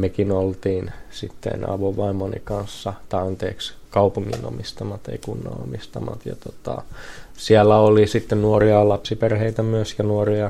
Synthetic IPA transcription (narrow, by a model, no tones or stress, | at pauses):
mekinolt̪iːnsit̪ːḛnɑ̰ʋoʋʋɑimːonḭkɑnsːɑt̪ɑɑnt̪eːkskɑupuŋːḭno̰mist̪ɑmɑt̪ḛikunːɑ̰o̰mist̪ɑmɑ̰t̪jɑ̰t̪ot̪ɑ̰ | siælːæolisit̪ːennuoriɑlɑpsiperheit̪æmyøsjɑnuoriɑ